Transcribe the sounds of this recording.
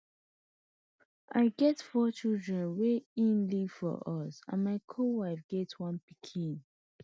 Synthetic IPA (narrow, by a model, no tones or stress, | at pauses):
ʔa̰ɪɡɛtfɔt͡ʃildɹɛ̃nweĩnliv̥fɔ̰ʔɔsã̰nmaɪkʰowaɪfɡ̥ɛtwʌ̃npikʰĩn